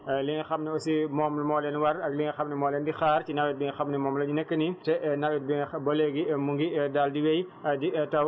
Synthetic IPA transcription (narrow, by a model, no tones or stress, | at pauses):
liŋxɐmniɔsimɔːmlmɔːlɛnwɐrɐɡliŋxɐmnimɔːlɛːndixaːrcinɐwɛt̚biŋxɐmnɛmɔːmlɐɲinɛkːənitɛnɐwɛt̚biŋbɐleɡimuŋɡidaːldiwɛjditɐw